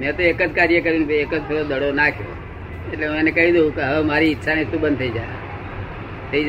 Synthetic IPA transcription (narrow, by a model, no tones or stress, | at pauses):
mɛ̃ːt̪oeːkəd͡ʒkaːɾɪjəkəɾjũnbʱeeːkəd͡ʒt̪ʰeod̪ʱəɽonaːkʰjo̰ː | eʈleũenɛkəɦid̪okeɦəʋemaːɾiɪːʃʰanist̪uɓənt̪ʰəiːd͡ʒa̰ː | t̪ʰəiːd͡ʒ